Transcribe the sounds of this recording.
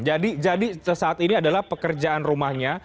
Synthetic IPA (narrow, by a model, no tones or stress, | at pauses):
d͡ʒadid͡ʒadisəsaːt̪iniadalahpəkərd͡ʒaʔanrumahɲa